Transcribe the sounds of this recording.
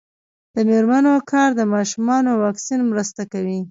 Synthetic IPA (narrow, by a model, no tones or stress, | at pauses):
d̪̥əmeɾmanokʰɑɾd̪əmɑʃumɑnowɑksinmɾəst̪akawi